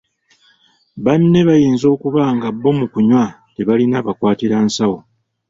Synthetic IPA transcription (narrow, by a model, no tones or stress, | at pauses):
βanːe̞βajiːnzo̞ːkuβaːŋɡabːo̞mukuɲwa | teβalinaːβakwaːtiɾansawo